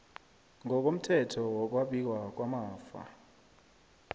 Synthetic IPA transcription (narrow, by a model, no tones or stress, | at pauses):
ŋɔk̬ʼom̩tʰɛtʰɔwɔk̬ʼwaɓik̬ʼwak̬ʼwamaːfa̰